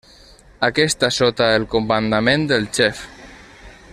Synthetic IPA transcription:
akɛst̪asot̪aelkomband̪amẽnd̪elt͡ʃɛf

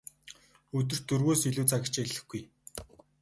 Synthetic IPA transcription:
ɵt̪̬ɵ̆r̥t̪ːɵrɣoːsiɮuːt͡sʰaɣʲɪ̆t͡ɕeeɮɘ̆xɡɡ̥uj

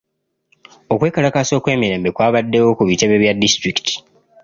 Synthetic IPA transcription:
o̞kwe̞ːkalakaso̞ːkwe̞ːmiɾe̞ːmbe̞kwaːβadːe̞wo̞kuβite̞βeβjadːistɾiki̥tʰi̥

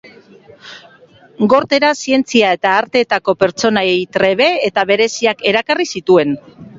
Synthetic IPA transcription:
ɡo̞ɾt̪e̞ɾasie̞nt͡siae̞t̪aːɾt̪e̞t̪ako̞pe̞ɾt͡so̞naejt̪ɾe̞β̞e̞ːt̪aβe̞ɾe̞siake̞ɾakarisit̪ue̞n

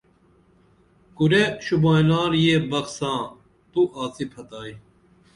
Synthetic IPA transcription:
kuɾeɕubãːilaːɾjebɐksãː | t̪uʔaːt͡sipʰɐt̪aːj

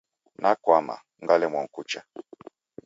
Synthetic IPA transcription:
nakwama̰ | ŋɡalɛmwɔŋ̩kut͡ʃa

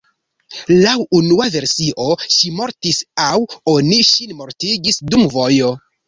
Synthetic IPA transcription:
lawunuave̞ɾsiʔo̞ʃimo̞ɾtisawo̞niʃinmo̞ɾtiɡisdumvo̞jo̞

